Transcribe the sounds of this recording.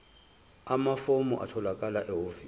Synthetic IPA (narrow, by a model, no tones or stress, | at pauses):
amafomuʔa̰tʰɔlakʼalaʔɛɦovi